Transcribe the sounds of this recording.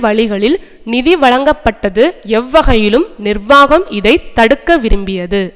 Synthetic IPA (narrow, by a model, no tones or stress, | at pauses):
ʋɐɭɪɣɐɭɪl | nɪðiʋɐɭɐŋɡɐpːɐʈːɐðɯɛʋːɐɣɐjɪlɯmnɪrʋaːɣɐmɪðɐɪt̪ːɐɽɯkːɐʋɪɾɯmbɪjɐðɯ